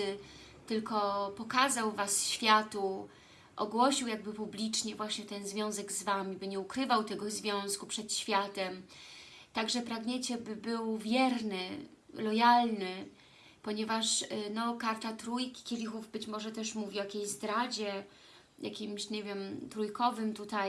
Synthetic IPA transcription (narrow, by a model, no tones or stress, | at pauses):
t̪ɘlkɔpɔkazawvasɕfʲjat̪u | ʔɔɡwɔɕiwjaɡ̚bɘpublʲit͡ʂɲɛvwaɕɲɛt̪ɛnzvʲjɔ̃w̃zɛɡzvamʲibɘɲɛukɾɘvawt̪ɛɡɔzvʲjɔ̃w̃skupʂɛt̪ɕfʲjat̪ɛm | t̪aɡʐɛpɾaɡɲɛt͡ɕɛbɘbɘwvʲjɛɾnɘ | lɔjalnɘ | pɔɲɛvaʂnɔkaɾt̪at̪ɾujkʲi̥kʲelʲixuvbɘt͡ɕmɔʐɛt̪ɛʂmuvʲiɔjakʲejzd̪ɾad͡ʑɛ | jʔa̰kʲimɕɲɛvʲjɛmt̪ɾujkɔvɘmt̪ut̪aj